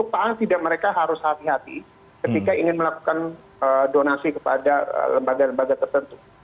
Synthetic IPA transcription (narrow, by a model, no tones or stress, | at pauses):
upaaŋt̪idaʔ̚məɾekaɦaɾʊshat̪iɦat̪ḭ | kət̪ikaiŋɪnməlaku̥kan | ədonasikəpa̰daə̰ləmbaɡaləmbaɡat̪ərt̪ənt̪u